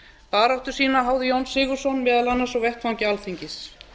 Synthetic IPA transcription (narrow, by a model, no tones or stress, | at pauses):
paːɾawht̪ʏɾ̥siːnaɦaːwðɪjownsɪːɣʏɾ̥sɔnmɛːðalanːasɔɣvɛht̪fawɲcɪalθiɲcɪs